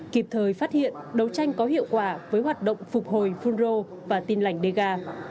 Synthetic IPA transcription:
ki˧˩p̚t̪ʰəː˨˩jfaː˦˥t̚hḭ˧˨ənɗə˨˩wt͡ɕa˧jŋ̟kɔ˨˦ɦḭ˧˨əwkwaː˧˩vəː˨˦jɦwaː˨˩t̚ɗə̰˧˨wŋ͡mfʊ˨˩k͡p̚ho˨˩jfu˧nzo˧ | vaː˨˩t̪i˧nla˧˩jŋ̟ɗe˧ɣaː˧

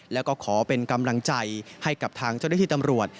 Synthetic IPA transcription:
lɛ˦˥wkɔː˥˩kʰɔː˩˦pe˧nka˧mla˧ŋt͡ɕa˧jha˥˩jka˨˩p̚t̪ʰaː˧ŋt͡ɕa˥˩d̪ʰiː˥˩t̪mɾu˨˩ət̪̚

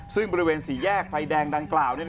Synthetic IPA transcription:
sɯ˥˩ŋbɔː˧ɾi˧weː˧nsiː˩˦jɛː˥˩k̚fa˧jdɛː˧ŋda˧ŋklaː˨˩wni˥˩

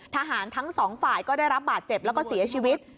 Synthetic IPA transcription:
t̪ʰa˧ɦaː˩˦nt̪ʰa˦˥ŋsɔː˩˦ŋfaː˨˩jkɔː˥˩daː˥˩jɾa˦˥p̚baː˨˩t̪̚t͡ɕe˨˩p̚lɛ˦˥wkɔː˥˩si˨˩˦ɐt͡ɕʰiː˧wi˦˥t̪̚

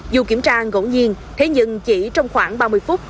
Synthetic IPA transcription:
zu˨˩ki˧˩əmt͡ɕaː˧ɣo̰˧˥ɲi˧ən | t̪ʰe˨˦ɲɨ̰˧˨ŋt͡ɕi˧˩t͡ɕɔ˧wŋ͡mxwaː˧˩ŋɓaː˧mɨ˧əjfu˦˥t̚

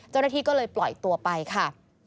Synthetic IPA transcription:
t͡ɕwnaː˥˩iː˥˩kɔː˥˩lɤː˧jplɔ˨˩jt̪u˧ɐpa˧jkʰa˥˩

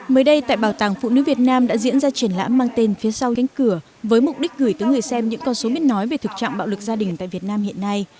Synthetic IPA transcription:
məː˨˦jɗə˧jt̪a̰ː˧˨jɓaː˧˩wt̪aː˨˩ŋfṵ˧˨nɨ̰˧˥vi˨˩ət̚naː˧mɗa̰ː˧˥zḭ˧˥ənzaː˧t͡ɕi˧˩ənla̰ː˧˥mːaː˧ŋt̪e˧nfi˨˦əsa˧wa˨˦ŋ̟kɨ˧˩ə | vəː˨˦jmʊ˨˩k͡p̚ɗi˦˥k̟̚ɣɨ˧˩jt̪əː˨˦jŋɨ˨˩əjsɛ˧mɲɨ̰˧˥ŋkɔ˧nso˨˦mi˦˥ət̚nɔ˨˦jve˨˩t̪ʰɨ˨˩k̚t͡ɕa̰˧˨ŋɓ̰ːwlɨ˨˩k̚zaː˧ɗï˨˩ŋ̟t̪a̰ː˧˨jvi˨˩ət̚naː˧mhḭ˧˨ənːa˧j

